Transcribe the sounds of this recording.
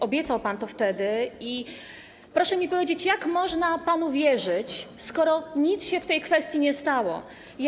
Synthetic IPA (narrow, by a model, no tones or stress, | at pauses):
ʔɔbʲjɛt̪sawpant̪ɔft̪ɛd̪ɘi | pɾɔʂɛmʲipɔvʲjed͡ʑet͡ɕjakmɔʐnapanuvʲjɛʐɘt͡ɕskɔɾɔɲit̪sɕɛft̪ɛjkfɛst̪ʲjiɲɛst̪awɔ̰ | j